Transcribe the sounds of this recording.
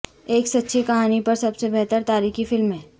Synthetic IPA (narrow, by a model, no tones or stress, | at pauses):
eːksɐtːʃʰikɐɦaːnipɐɾsɐbsebɛɦt̪əɾt̪aːɾiːkifɪlmɦẽː